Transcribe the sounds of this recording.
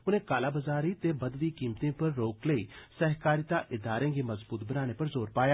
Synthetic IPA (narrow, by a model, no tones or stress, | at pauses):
ʊnẽkaːlaːbəzaːɾit̪ebɐd̪ʋiːkiːmt̪ẽpɐɾːoːkləiːsɛɦkaːɾit̪aʔɪd̪aːɾẽːɡemɐzbuːt̪bənaːnepɐɾzoːɾpaːjaː